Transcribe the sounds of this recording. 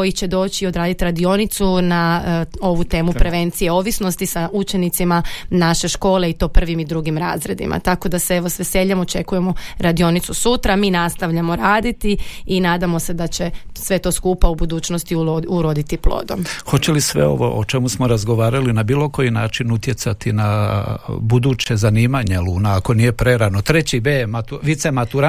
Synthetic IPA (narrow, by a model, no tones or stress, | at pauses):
kojit͡ɕe̞d̪o̞ːt͡ɕiod̪ɾaːd̪it̪iɾad̪io̞nit̪sunao̞ʋut̪e̞ːmupɾe̞ʋe̞nt̪sije̞o̞ʋisno̞st̪isaut͡ʃe̞nit̪simanaʃe̞ʃko̞ːle̞it̪o̞ːpr̩ʋimid̪ɾuɡimɾa̰ːzɾe̞d̪ḭmʔa̰t̪ako̞d̪aseeʋosʋese̞ʎamot͡ʃe̞kuje̞mo̞ɾad̪io̞nit̪susut̪ɾamiːnast̪aʋʎamo̞ɾaːd̪it̪iinaːd̪amo̞se̞d̪at͡ɕe̞sʋe̞t̪o̞skuːpaubud̪uːt͡ɕno̞st̪iuouɾod̪it̪iplˠo̰ːd̪o̞̰mxo̞t͡ɕe̞lisʋḛo̞̰ʋo̞̰ʔo̰t͡ʃemusmoɾazɡoʋaːɾalinabiːlˠo̞ko̞jinaːt͡ʃinut̪je̞t̪sat̪ina | bud̪uːt͡ɕe̞zaniːmaɲelˠuːnaːko̞niːje̞pɾe̞ɾanot̪ɾet͡ɕibemat̪uʋit̪semat̪uɾa